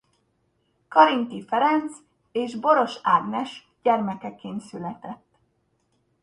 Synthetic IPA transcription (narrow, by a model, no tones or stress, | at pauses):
kɒɾint̪ifɛɾɛnt̪s | eːʒbo̞ɾo̞ʃaːɡnɛʃ | ɟ̥ɛrmɛkɛkeːnsylɛt̪ɛt̪ː